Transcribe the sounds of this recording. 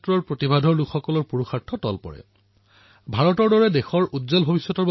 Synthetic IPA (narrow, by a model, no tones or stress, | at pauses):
tɹɔɹpɹotibʱadʱɔɹlukʰxɔkɔlɔɹpuɹuxaɹtʰːɔtɔlpɔ̰ɹɛ̰ | bʱaɹɔtɔɹdɔɹɛdexɔɹʔudzɔlbʱobisːɔtɔɹb